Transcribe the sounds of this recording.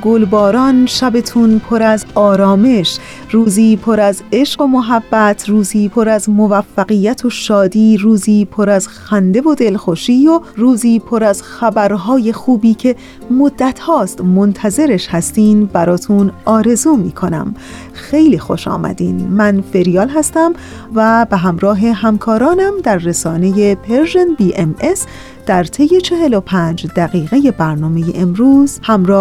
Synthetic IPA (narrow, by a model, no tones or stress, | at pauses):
ɡolbɒːɾɒːnʃæbe̞t̪ʰunpʰoɾæzɒːɾɒːme̞ʃ | ɾuːziːpʰo̞ɾæze̞ʃɢo̞moɦæbːæt̪ʰɾuːziːpʰo̞ɾæzmovæfːæɣijæt̪ʰo̞ʃɒːd̪iːɾuːziːpʰo̞ɾæzxænd̪e̞vo̞d̪e̞lxoʃiːjoɾuːziːpʰo̞ɾæzxæbæɾɦɒːje̞xuːbiːcʰe̞ | mod̪ːæt̪ʰhɒːst̪mont̪ʰæze̞ɾe̞ʃhæst̪iːnd̪bæɾɒːt̪ʰunɒːɾe̞zuːmiːkʰo̞næ̰m | xe̞jliːxo̞ʃɒ̰ːmæ̰d̪iːnmænfe̞ɾijɒːlɦæst̪æm | væbeɦæmɾɒːɦe̞ɦæmkʰɒːɾɒːnæmd̪æɾːesɒːne̞je̞pʰeɾʒenbiːʔemes | d̪̥æɾt̪ʰe̞je̞t͡ʃʰe̞ɦe̞lo̞pʰæːnd͡ʒd̪æɣiːɣeje̞bæɾnɒːmeje̞̰ʔemɾuːz̥hæmɾɒː